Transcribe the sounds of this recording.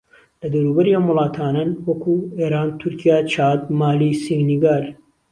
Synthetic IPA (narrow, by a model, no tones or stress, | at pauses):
lɐd̪ɐwɾuːbɐɾiɐmwʊlˠɑːt̪ʰaːnanwɐkʰueːɾaːnt̪ʰuɾkʰijaːt͡ʃʰaːd̪̚maːlisiŋɡniɡaːl